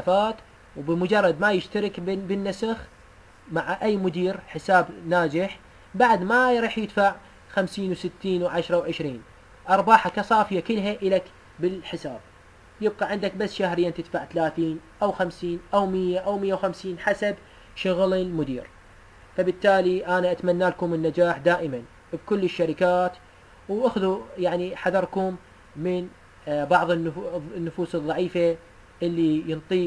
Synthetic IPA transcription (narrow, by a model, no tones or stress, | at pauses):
afaːt̪ | wbəmʊd͡ʒɑrˤːɑd̪majɪʃt̪aɾɪkbɪnːasax | maʕaʔajːmʊd̪iːɾħɪsaːbnaːd͡ʒɪħ | baʕd̪maɾiːħjɪd̪faʕ | xamsiːnwsɪt̪ːiːnwʕaʃɾˤɑwʕɪʃɾiːn | ʔɑɾˤbɑːħakasˤɑːfjakɪlɦaʔɪlak | bɪlħɪsaːb̥̚ | jɪb̚qɑʕɪnd̪akbasːʃahɾɪjːant̪ɪt̪faʕθalaːθiːnʔawxamsiːnʔawmɪjːaʔawmɪjːawxamsiːnħasab | ʃʊɣlɪlmʊd̪ḭːɾ | fabɪt̪ːaːliʔanaʔat̪manːalkʊmɪnːad͡ʒaːħd̪aːʔɪman | bkʊlːɪʃːaɾɪkaːt̪ | wʔaxðujaʕniħaðɑɾˤkʊmː | ɪn | bɑʕðˤɨnːnːʊfuːsɨðˤːɑʕiːfa | ʔɪlːijɨnt̪ˤiː